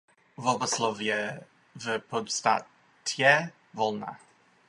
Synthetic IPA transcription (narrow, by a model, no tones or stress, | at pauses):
vɔbɔslɔvjɛ | vəpʰɔdsta | tʰjɛ | vɔlˠna̰